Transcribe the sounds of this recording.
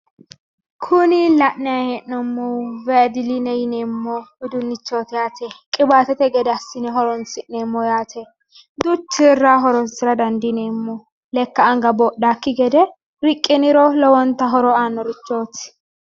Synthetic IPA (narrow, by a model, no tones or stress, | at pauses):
kʰʊnɪlɐʔnɪjaheʔɔmːɔvɛd̪ɪlinɛjɪneːmːɔɪd̪ʊnːɪt͡ʃːoːt̪ɪjaːt̪ɛkʼɪbaːt̪ɛt̪ɛɡɛd̪ɛɐsːɪnɛɦɔɾɔnsɪʔneːmːɔjaːt̪ʰɛ | d̪ʊt͡ʃːɪrːaɦɔɾɔzɪɾɐd̪ɐnd̪ɪneːmːɔ | lɛkːɐːŋɡɐbɔːɗaːkːɪɡɛd̪ɛ | ɾɪkʼːɪnɪɾɔlɔwɔnt̪ːɐɦɔɾɔaːnːɔɾɪt͡ʃːoːt̪ɪ̥